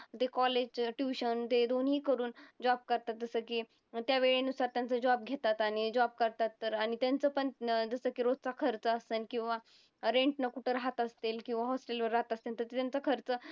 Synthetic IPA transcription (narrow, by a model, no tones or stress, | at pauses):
t̪ekɔled͡ʑʈjuɕənt̪ed̪onɦiːkəɾuːnd͡ʑɔb̚kəɾt̪at̪̚d͡zəsəki | t̪jaʋeɭenusaɾt̪jant͡səd͡ʑɔb̚ɡʱet̪at̪aɽ̃id͡ʑɔb̚kəɾt̪at̪ːəɾaɽ̃it̪jant͡səpəɳd͡zəsəkiːɾot̪t͡sakʰəɾt͡səːsənkĩw̃ʋa | ɾẽɳʈnəkuʈəɾaɦat̪əst̪elkĩw̃ʋaɦɔsʈelʋəɾːaɦat̪ast̪ent̪əɾt̪et̪jant͡səkʰəɾt͡səː